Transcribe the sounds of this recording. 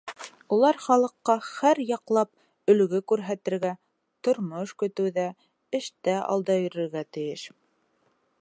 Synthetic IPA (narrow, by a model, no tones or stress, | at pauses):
ulˠɑɾχɑlˠɤ̆qːɑχæɾjɑqlˠɑp̚ | ɵ̆l̆ɡɘkʉɾɦæt̪ɘ̆ɾɡæ | t̪ŏɾmoʃkɵ̆t̪ɘ̆wðæ | ɘ̆ʃt̪æʔɑ̰lˠd̪ɑjɵ̆ɾɘ̆ɾɡæt̪ɘ̆jɘʃ